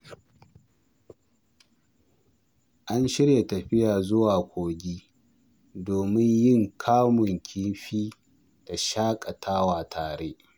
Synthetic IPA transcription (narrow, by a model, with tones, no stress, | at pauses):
ʔa˦nʃɪ˦ɽje˨tɐ˨ɸɪ˦jaː˨zʊ˦waː˨kʷoː˨ɡʲiː˦ | doː˨mɪ˦ɲjɪ˦˨ŋkʰaː˦mʊ˨ŋkʲʰɪ˦nɸiː˦ | d̥a˨ʃaː˦kʼa˨tʰaː˦waː˨tʰaː˨ɽeː˦ʔ